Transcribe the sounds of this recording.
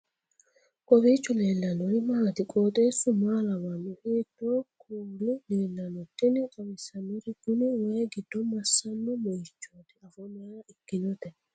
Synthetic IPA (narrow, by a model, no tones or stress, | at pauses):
kʼɔbiːt͡ʃːʊle̞ːlːɐnɔɾmaːt̪ɪkʼoːt̪ʼeːsʊmaːlɐwɐnːʊheːd̪ːoːkʰuːlʊleːlːɐnɔt̪ːɪnɪkʼɔbɪsɐnːɔɾɪɡ̥ʊnɪwɐjɡɪd̪̥ːɔmɐsːɐnːɔmɔjɪt͡ʃːoːt̪ɪɐfɔnɪjɐɾɐɪkːɪnɔt̪ɛ